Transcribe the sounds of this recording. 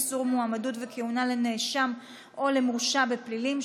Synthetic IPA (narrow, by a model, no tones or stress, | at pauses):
suʁmuamadutvekʰeunale̞neʃam | o̞le̞mʁuʃabeplilim